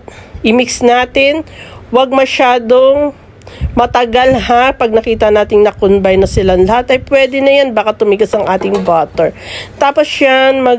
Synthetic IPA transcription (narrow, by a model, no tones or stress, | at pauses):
ʔɪmiksnaːt̪ɪnwɐɡ̚mɐʃaːd̪oŋ | mɐt̪ɐɡalɦapɐɡ̚nɐkiːt̪ɐnaːt̪ɪŋnɐkʊnbɐjnɐsɪlanlɐhat̪ɐjpwɛːd̪ɛnɐjanbaːkɐt̪ʊmɪɡɐsɐŋʔaːt̪ɪŋbaːt̪ɛɹt̪aːpo̞sjanmɐ